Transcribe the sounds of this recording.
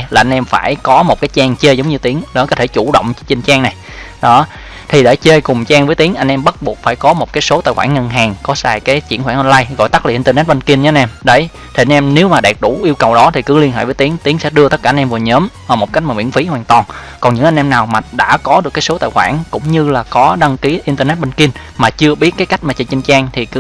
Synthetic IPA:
laː˨˩ʔa˧jn̟ʔɛ˧mfaː˧˩jkɔ˨˦mo˨˩t̚kaː˨˦jt͡ɕaː˧ŋt͡ɕe˧zə˨˦wŋ͡mɲɨ˧t̪i˨˦əŋɗɔ˨˦kɔ˨˦t̪ʰe˧˩t͡ɕu˧˩ɗə̰˧˨wŋ͡mt͡ɕi˧˩nt͡ɕaː˧ŋna˨˩j | ɗɔ˨˦ | t̪ʰi˨˩ɗe˧˩t͡ɕe˧kʊ˨˩ŋ͡mt͡ɕaː˧ŋvəː˨˦jt̪i˨˦əŋʔa˧ŋ̟ʔɛ˧mɓə˦˥t̚ɓu˨˩ək̚faː˧˩jkɔ˨˦mo˨˩t̚kaː˨˦jso˨˦t̪a̰ː˧˨jxwaː˧˩ŋːə˧nɦaː˨˩ŋkɔ˨˦saː˧jkaː˨˦jt͡ɕḭ˧˩ənxwaː˧˩ŋʔə˧nlaː˧jɣɔ̰˧˨jt̪a˦˥k̚la˨˩ʔḭ˧nt̪ːnɛ˦˥t̚ɓə˧nki˧nɲ˧nʔɛ˧mɗə˧˩˦j | t̪ʰi˨˩ʔjnʔɛ˧mne˨˦wmaː˨˩ɗɛ˨˩t̚ɗu˧˩ʔi˧əwkə˨˩wɗɔ˨˦t̪ʰi˨˩kɨ̰˧˥li˧nhɦḛ˧˩vəː˨˦jt̪i˨˦əŋt̪i˨˦əŋsɛ̰˧˥ɗɨ˧ət̪ə˦˥t̚kaː˧nʔɛ˧mvu˨˩ɲəː˨˦mvaː˨˩mo˨˩t̚ka˦˥k̟̚mː˨˩wḭ˧˥ənfi˨˦hwaː˨˩nt̪wɔː˨˩n | kɔ˨˩nɲɨ̰˧˥ŋʔa˧ŋ̟ʔɛ˧mnaː˨˩wmaː˨˩ɗa̰ː˧˥kɔ˨˦ɗɨ˨˩əkaː˨˦so˨˦t̪a̰ː˧˨jxwaː˧˩nkʊ̰˧˥ŋ͡mɲɨ˧laː˨˩kɔ˨˦ɗa˧ŋki˨˦ʔi˧nt̪əː˧nɛ˦˥t̚ɓə˧nki˧n | maː˨˩t͡ɕɨ˧əɓi˦˥ət̚kaː˨˦jka˦˥k̟̚maː˨˩t͡ɕə˧˩t͡ɕi˧ŋt͡ɕaː˧ŋt̪ʰi˨˩kɨ˧˦

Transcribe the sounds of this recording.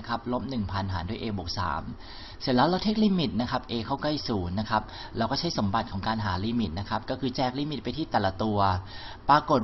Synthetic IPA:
kʰa˦˥p̚lo˦˥p̚nɯ˨˩ŋpʰa˧nɦaː˩˦ndu˥˩ʔeː˧bo˨˩k̚sa̰ː˩˦m | si˨˩˦laː˧˥˩wla˧wt̪ʰe˧˥˩k̚liː˧mi˨˩t̪̚na˦˥kʰa˦˥p̚ʔeː˧kʰa˥˩wkla˥˩jsuː˩˦ŋna˦˥kʰa˦˥p̚ | lɛː˦˥wkɔː˥˩t͡ɕʰa˦˥jso˩˦mba˨˩t̪̚kʰɔː˩˦ŋkaː˧nɦaː˩˦liː˧mi˨˩t̪̚na˦˥kʰa˦˥p̚kɔː˥˩kʰɯː˧t͡ɕɛː˥˩k̚liː˧mi˨˩t̪̚pa˧jt̪ʰiː˥˩t̪ɛː˨˩la˧˩t̪u˧ɐ | paː˧ko˨˩t̪̚

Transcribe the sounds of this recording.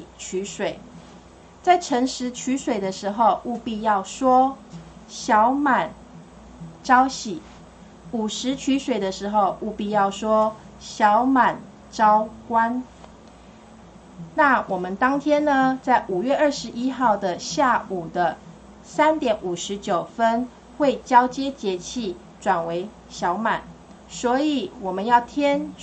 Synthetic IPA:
t͡ɕʰy˧˥ʂwe˨˩˦ɪ | t͡sa˥˩ɪʈ͡ʂʰə˧˥ŋʂɻ̩˧˥t͡ɕʰy˧˥ʂwe˨˩ɪd̪ə˩ʂɻ̩˨˧˥xo˥˧ʊʔu˥˧pi˥˧jɑ˥˩ʊʂwɔ˥ | ɕjɑ˨˧˦ʊma˨˩˦n | ʈ͡ʂɑ˥ʊɕi˨˩ | u˨˩ʂɻ̩˧˦t͡ɕʰy˧˥ʂwe˨˩ɪd̪ə˦ʂɻ̩˧˥xo˥˧ʊʔu˥˧pi˥˧jɑ˥˩ʊʂwɔ˥ | ɕjɑ˧˦ʊma˨˩n | ʈ͡ʂɑ˥ʊkwa˦n | na˥˩wʔɔ˨˩mə˦nt̪ɑ˥ŋt̪ʰjɛ˥nnə˨t͡sa˥˩ɪʔu˨˩ɥɛ˥˩ʔə˥˩ʂɻ̩˧˥ʔi˥xɑ˥˩ʊd̪ə˩ɕja˥˩u˨˩d̪ə˦ | sa˦nt̪jɛ˨˥nʔu˨˩ʂɻ̩˨˥t͡ɕjo˨˩ʊfə˦n | xwe˥˩ɪt͡ɕjɑ˥ʊt͡ɕjɛ˥t͡ɕjɛ˧˥t͡ɕʰi˥˩ | ʈ͡ʂwa˨˩nwe˧˥ɪ | ɕjɑ˧˦˥ʊma˨˩˦n | swɔ˧˥i˨˩˦wɔ˨˩mə˦njɑ˥˩ʊt̪ʰjɛ˥n

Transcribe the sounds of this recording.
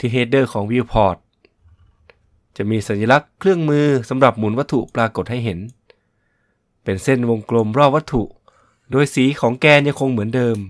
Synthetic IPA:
t̪ʰiː˧˩ɦeː˧t̪̚dɤː˥˩kʰɔː˩˦ŋwiː˧wpʰɔː˨˩t̪̚ | t͡ɕa˨˩ʔmiː˧sa˨˩˦nja˧la˦˥kʰːlɯ˥˩əŋmɯː˧sa˩˦mɾa˨˩p̚mu˨˩˦nwa˦˥t̪ʰːu˨˩ʔpɾaː˧ko˨˩t̪̚ha˥˩jɦe˩˦n | pe˨˩nse˥˩nwo˧ŋklo˧mɾɔː˥˩p̚ʋa˦˥t̪ʰːu˨˩ʔ | doː˧jsiː˨˩˦kʰɔː˩˦ŋkɛː˧nɲa˧ŋkʰo˧ŋmɯ˩˦əndɤː˧m

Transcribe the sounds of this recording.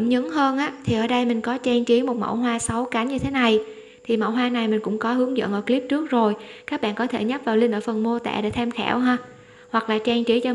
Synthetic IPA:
mɲɨ˨˦ŋɦəː˧nʔaː˨˦˥t̪ʰi˨˩ʔəː˧˩ɗə˧jmï˨˩ŋ̟kɔ˨˦t͡ɕɛ˧ŋt͡ɕi˨˦mo˨˩t̚mə̰˧˩wɦwaː˧sə˨˦wka˨˦nɲɨ˧t̪ʰe˨˦na˨˩j | t̪ʰi˨˩mə̰˧˩wɦwaː˧na˨˩jmï˨˩ŋ̟kʊ̰˧˥ŋ͡mkɔ˨˦hɨ˨˦əŋzə̰˧˨nʔəː˧˩kli˦˥p̚t͡ɕɨ˦˥ək̚zo˨˩jkaː˦˥k̚ɓa̰ː˧˨kɔ˨˦t̪ʰe˧˩ɲə˦˥p̚vaː˨˩wlï˧ŋʔəː˧˩fə˨˩nmo˧t̪a̰ː˧˩˨ɗa̰˧˥t̪ʰɛ˧mxɛ̰ː˧˩wɦaː˧ | hwa˨˩k̚laː˨˩t͡ɕa˧˩ŋt͡ɕi˨˦t͡ɕɔ˧

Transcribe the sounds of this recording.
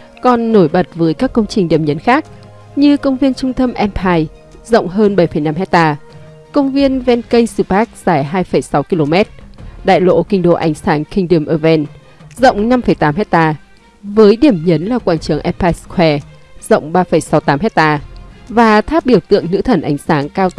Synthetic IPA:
kɔ˨˩nːo˧˩jɓə˨˩t̚vəː˨˦jkaː˦˥kːə˧wŋ͡mt͡ɕï˨˩ŋ̟ɗi˧˩əmɲə˨˦nxaː˦˥k̚ | ɲɨ˧kə˧wŋ͡mvi˧ənt͡ɕʊ˧ŋ͡mt̪ə˧mʔɛ˧mpʰaː˧j | zə̰˧˨wŋ͡mɦəː˧nɓə˧˩jfə˧˩jna˧mɦɛ˦˥k̚t̪aː˧ | kə˧wŋ͡mvi˧ənvɛ˧nkə˧jŋsɨ˧˩paː˦˥k̚z̥aː˧˩jɦaː˧jfə˧˩jsa˨˦wki˧lo˧mɛ˦˥t̚ɗa̰ː˧˨jlo̰˧˥kï˧ŋ̟ɗo̰˧˨ʔa˨˩jŋ̟saː˨˦nkï˧˩ŋ̟ɗi˧˩əmʔəː˧˩vɛ˧n | zə̰˧˨wŋ͡mna˧mfə˧˩jt̪aː˨˦mɦɛ˦˥k̚t̪aː˧ | vəː˨˦jɗi˧˩əmɲə˨˦nlaː˨˩kwaː˧˩nt͡ɕɨ˨˧˩əŋʔɛ˧mpʰaː˧jskʰwɛ˧ | z̥ə̰˧˨wŋ͡mɓaː˧fə˧˩jsa˨˦wt̪aː˨˦mhɛ˦˥k̚t̪aː˧vaː˨˩t̪ʰaː˦˥p̚ɓi˧˩əwt̪ɨ̰˧˨əŋnɨ̰˧˥t̪ʰə˧˩nʔa˨˦jŋ̟saː˨˦ŋkaː˧wt̪

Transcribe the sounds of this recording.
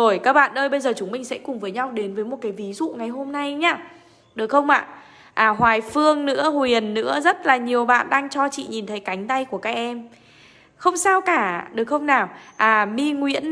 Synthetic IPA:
o˨˩jkaː˦˥k̚ɓa̰ː˧˨nʔəː˧jɓə˧jzəː˨˩t͡ɕʊ˨˦ŋ͡mmï˨˩ŋ̟sɛ̰˧˥kʊ˨˩ŋ͡mvəː˨˦jɲa˧wɗe˨˦nvəː˨˦jmo˨˩t̚kaː˨˦jvi˨˦zṵ˧˨ŋa˨˩jɦo˧mna˧jɲaː˧ | ɗɨ˨˩ək̚xə˧wŋ͡mʔa̰ː˧˨ | ʔaː˨˩ɦwaː˨˩jfɨ˧əŋnɨ̰˧˥əhwi˨˩ənːɨ̰˧˥əzə˦˥t̚laː˨˩ɲi˨˩əwɓa̰ː˧˨nɗaː˧ŋt͡ɕɔ˧t͡ɕḭ˧˨ɲi˨˩nt̪ʰə˨˦jka˨˦jŋ̟t̪a˧jku˧˩əkaː˦˥k̚ʔɛ˧m | xə˧wŋ͡msaː˧wkaː˧˩ɗɨ˨˩ək̚xə˧wŋ͡mnaː˨˩wʔaː˨˩mi˧ŋwḭ˧˥ən

